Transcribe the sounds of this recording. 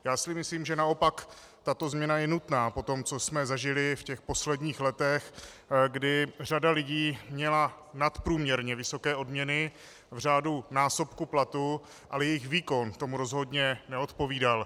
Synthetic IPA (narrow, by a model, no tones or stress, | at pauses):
jaːsɪmɪsliːmʒɛnao̞pak | t̪at̪o̞zmɲɛnajɛnut̪naːpo̞t̪o̞mt͡sosmɛzaʒɪlɪfcɛxpo̞slɛdɲiːxlɛt̪ɛxɡdɪr̝adalɪɟiːmɲɛla | nat̪pɾuːmɲɛɾɲɛvɪso̞kɛːʔo̞dmɲɛnɪ | vr̝aːdunaːso̞pkuplat̪u | ʔalɛjɛjɪxviːko̞nt̪omuɾo̞zɦo̞dɲɛnɛo̞t̪po̞viːdal